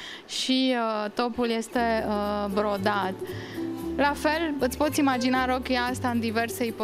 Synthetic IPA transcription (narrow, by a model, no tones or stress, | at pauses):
ʃiət̪o̞pulje̞st̪e̞əbɾo̞d̪at̪ | lafe̞lɨt̪spo̞t̪simad͡ʒinaɾo̞kʲeast̪aɨnd̪ive̞rseipo